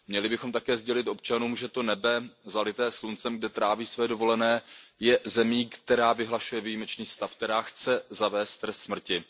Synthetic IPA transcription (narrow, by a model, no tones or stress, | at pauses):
mɲɛlɪbɪxomt̪akɛːzɟɛlɪt̪ʔo̞p̚t͡ʃanuːmʒɛt̪o̞nɛbɛzalɪt̪ɛːslunt͡sɛmɡ̚dɛt̪ɾaːviːsvɛːdo̞vo̞lɛnɛːjɛzɛmiːkt̪ɛɾaːvɪɦlaʃujɛvijiːmɛt͡ʃniːst̪afkt̪ɛɾaːxt͡sɛzavɛːst̪ːɾɛst̪smr̩cɪ